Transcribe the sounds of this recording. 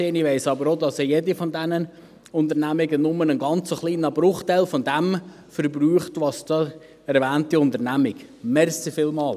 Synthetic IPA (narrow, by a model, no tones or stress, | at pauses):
eːniʋeɪsɑbəɾodɑsjedifɔndɛnən | ʊntənæmɪɡənʊmənənɡɑnt͡səχliːnəbɾʊχtɛɪlfɔnd̪ɛm | fəɾbɾyːχtʋɑsd̥ɑː | ɛɾvæːntiʊntəɾnæmɪɡmɛɾsifɪːlmɑːl